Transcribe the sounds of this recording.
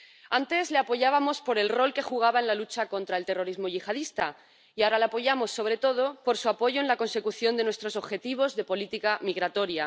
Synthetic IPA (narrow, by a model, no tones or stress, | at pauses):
ant̪e̞zle̞apo̞ʝaβ̞amo̞spo̞ɾe̞lro̞lke̞xuɣ̞aβaenlalut͡ʃako̞nt̪ɾae̞lt̪e̞ro̞ɾizmo̞ʝixað̞ist̪a | iaoɾaleapo̞ʝamo̞sːo̞β̞ɾe̞t̪o̞ð̞o̞po̞ɾsuapo̞ʝoenlako̞nse̞kuθjo̞nd̪e̞nwest̪ɾo̞so̞βxe̞t̪iβ̞o̞zðe̞po̞lit̪ikamiɣɾat̪o̞ɾja